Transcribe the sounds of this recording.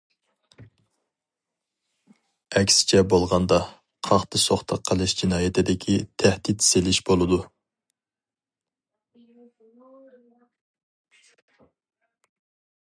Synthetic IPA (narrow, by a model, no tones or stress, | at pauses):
ɛkʲsɪ̥t͡ʃʰɛbolˠʁɑnd̪ɑ | qʰɑχt̪ɨsoχt̪ʰɑqʰːəlˠɨʃd͡ʒinɑːjɛt̪ʰɪd̪ɪkʲʰit̪ʰæhd̪it̪selɪʃbolˠɨd̪u